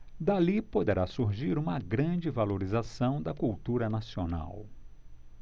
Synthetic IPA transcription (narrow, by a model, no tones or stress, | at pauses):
d̪alipod̪eɾasuɾʒiɾũmɐɡɾɐ̃d͡ʒɪvaloɾizasɐ̃w̃d̪ɐkuwt̪uɾɐnasiona̰w